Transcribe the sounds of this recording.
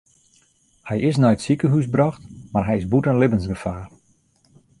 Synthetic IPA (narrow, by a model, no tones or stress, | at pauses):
hɛjɪsnɛjətsikəɦysbrɔxtmarɦɛjɪsbutənlɪbənsɡəfaːr